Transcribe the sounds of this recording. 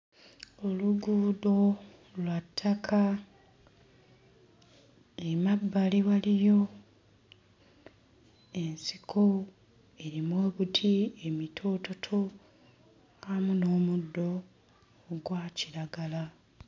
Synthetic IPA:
o̞luɡuːdo̞ | lwatʰːakʰa | emabːaliβalijo̞ | e̞nsikʰo̞ | e̞ɾimwe̞ːβutʰie̞mitʰo̞ːto̞tʰo̞ | amuno̞ːmudːo̞ | ɡwaːciɾaɡala

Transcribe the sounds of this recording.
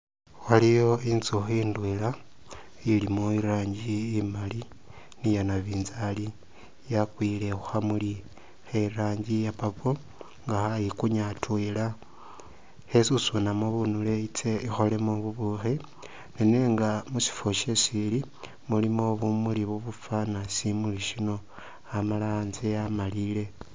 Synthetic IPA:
walijo̞inzoxiːndwela | ilimoiɾaːɲɟiːmali | nijanaβiːnzali | jakwiːle̞xuxamuli | xeɾaːɲɟijapapo | ŋɡaxajikuɲatwela | hesusunamoβunuleit͡seʔixo̞le̞moβuβuxi | neneŋɡamusi̥foʃesili | mulimoβumuliβuβufanasimuliʃino̞ | amalaːnziamalile̞

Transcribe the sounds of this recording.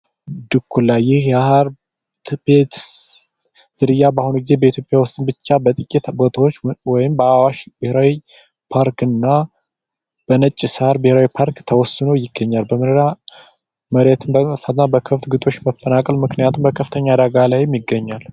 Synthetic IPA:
d̪ɨkʰːulajjɪhjahaɾ | t̪ʰpʰet̪ | z̥ɨɾɨjːabahunuɡize̞bəit̪ʰjo̞pʼjawʊst̪ʼɨmbɨt͡ʃːabət̪ʼɨkʼːɛt̪bot̪ʰawot͡ʃːwɔjɪmbəawaʃb̥ɨheɾawi | pʰaɾkɨnːa | b̥ənət͡ʃʼːishaɾbɨheɾawipʰaɾkt̪ʰəwɔsɨnowjɪɡːəɲːalbəmɨnɾa | məɾet̪ʰɨnbəfat̪nabəkʰəft̪ɡɨt̪ʼo̞t͡ʃːməfːənakʼəlmɨknijat̪ʰumbəkʰəft̪ʰəɲːad̪aɡalajɛmjɪɡːəɲːal

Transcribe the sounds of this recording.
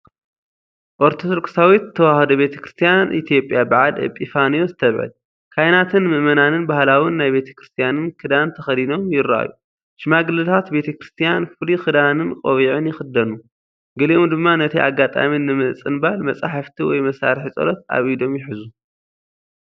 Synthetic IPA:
ʔoɾt̪ʰot̪ɾksawit̪ʰːɐwahɐd̪ɐbe̞t̪ʰɐ̥kɾɨ̥st̪ʰijanʔḭt̪ʰjo̞pʼːjabɨʕad̪ɨ̰pʼifanijozɨt̪ʰɐβʕɨ̰l | kʰajnat̪ʰɨnmɨʔmɐnanɨnbahlawɨnːajbe̞t̪ʰɐ̥kɾɨst̪ʰijanɨnkʰɨd̪ant̪ʰɐxɐlino̞mjɪɾa̰ju | ʃɨmaɡɨlɨt̪ʰat̪be̞t̪ʰɐkɾɨst̪ʰijanfɨlixɨd̪anɨnkʼoβiʕɨnjɪxɨd̪ːɐnu | ɡɐliʔomd̪ɨmːanɐt̪ʰia̰ɡat̪ʼa̰minɨmɨt͡sʼɨnbaalmɐt͡sʼaħɨft̪ʰiwɔ̰jmɐsa̰ɾħit͡sʼɐ̰lɐt̪̚a̰βid̪o̞mjɪħɨzu

